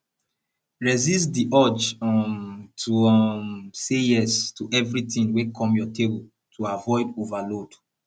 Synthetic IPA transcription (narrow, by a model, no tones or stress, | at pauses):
ɹɛzistdiʔɔt͡ʃ | tʰumsejɛstuʔɛvɹitĩnwekʰɔ̃mjɔteb | tʰuavɔɪdovalod